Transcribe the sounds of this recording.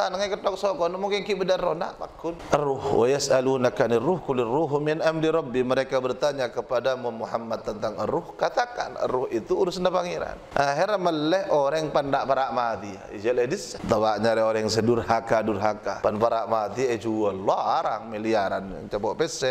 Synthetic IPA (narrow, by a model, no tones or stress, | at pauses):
anŋakət̪ɔk̚sɔkɔnmuŋkɪŋkibədanrona̰ʔma̰kːʊnʔərʊhwʔajasalunakaniruhkuliruɦminʔamdiɾɔbːiməɾekabərt̪aɲakəpadamumuhamːat̪ːənt̪aŋə̰rʊhkat̪aka̰nə̰rʊhit̪uuɾusnapaŋiɾa̰nʔaɦiɾməllɛhoɾɛŋpandaʔpaɾaʔmat̪ia̰ḭd͡ʒaledisat̪awaʔɲaɾɛoɾɛŋsədʊrhakadʊrɦakapanpaɾaʔmad̪ied͡ʒualaɾaŋmiliaɾanja̰ŋt͡ʃapɔʔpɛsɛ